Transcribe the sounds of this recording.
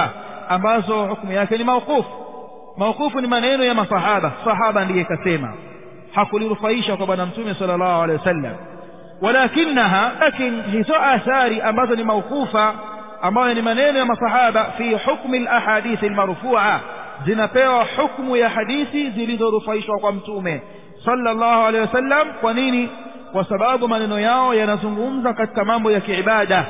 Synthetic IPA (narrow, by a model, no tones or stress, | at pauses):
ambazɔhukmujakɛnimauqufu̥ | mauqufunimanɛnɔjamasɑhaɓasɑɦaɓandijɛkasɛma̰ | hakuliɾufaiʃakwaɓwanam̩tumɛsalːalːaːhualɛwasalːa̰m | walakinːaɦalakinihizɔʔaθaɾiʔambazɔnimauqufaː | mbajɔnimanɛnɔjamasɑħaɓafiːħukmilʔaħaːɗiːθalmaɾfuːʕa | zinapɛwaħukmujaħaɗiθizilizɔɾufaiʃwakwam̩tumɛ | sɑlːalˤːaːhualɛjwasalːamkwanini | kwasaɓaɓumanɛnɔjaɔjanazuŋɡum̩zakati̥kamambɔjakiʕiɓaɗa